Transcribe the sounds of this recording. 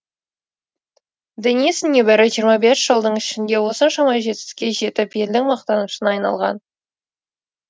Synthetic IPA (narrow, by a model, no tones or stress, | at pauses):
d̪ɪnisɪnːʲebæɾɪʒijəɾmɑbe̞sʒ̥əlˠd̪əɴɪʃɪnd̪e̞wo̞sənʃɑmɑʒe̞t̪ɪst̪ɪ̥kʲːe̞ʒe̞t̪ɪpe̞ld̪ɪŋmɑqt̪ɑnuʃənɑjnɑ̰lˠʁɑ̰n